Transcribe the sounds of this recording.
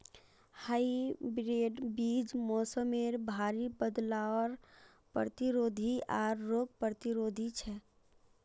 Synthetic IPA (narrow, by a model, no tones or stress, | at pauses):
haibɾeːɖbiːd͡ʒmoːsəmeːɾbʱaːɾibəd̪laɔɾ | pət̪iɾoːd̪ʱiaːɾːoːɡ̚pət̪iɾoːd̪ʱit͡ʃʰɛ